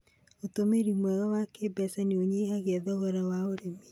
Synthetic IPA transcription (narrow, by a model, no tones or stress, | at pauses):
otomeɾimwɛɣɔwakeːbɛsaneoɲeaɣɛðɔɣɔɾawaoɾemi